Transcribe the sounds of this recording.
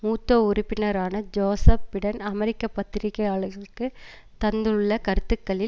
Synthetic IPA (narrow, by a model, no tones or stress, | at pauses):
muːt̪ːoːʊɾʊpːɪnɐɾaːnɐd͡ʒoːsɐpːɪɽɐnɐmɛɾɪkːɐpːɐt̪ːɪɾɪkːɐjaːɭɯɣɐɭɯkːɯ | t̪ɐnd̪ɯɯɭːɐkɐɾɯt̪ːɯkːɐɭɪ